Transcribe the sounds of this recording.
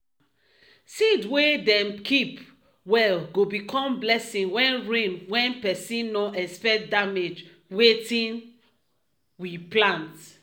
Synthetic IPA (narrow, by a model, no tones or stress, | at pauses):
sidwedɛ̃mkʰip | wɛlɡobikʰɔ̃mblɛsĩŋwɛ̃nɹẽnwɛ̃npɛsĩnːɔʔɛspɛdamed͡ʒ | wetĩn | wiplãnt